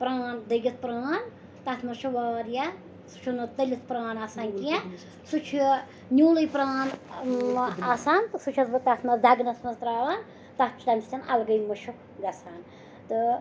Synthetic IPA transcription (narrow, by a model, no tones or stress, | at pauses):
pɾaːnd̪ɐɡɐt̪̚ʰpɾaːn | t̪ɐt̪ʰmɐʃʰuʋaːɾja | su̥t͡ʃʰunɐt̪ɐlʲit̪ʰpɾaːnaːsaːnkija | sut͡ʃʰu | nʲuːlɐjpɾaːn | aːsaːnt̪ɨsut͡ʃʰɐt̪bɨt̪ɐt̪ʰnɐzd̪ʱɐɡnɐt̪ʰnɐst̪ɾaːʋaːn | t̪ɐt̪t͡ʃʰi̥t̪ɐnʲʰt̪ʲʰɐnɐlɡɐjmɐʃʰuk | ɡɐsʰaːn | t̪ɨ